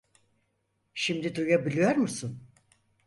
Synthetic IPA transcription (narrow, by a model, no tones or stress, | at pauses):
ʃimd̪id̪ujabilʲijoɾmusun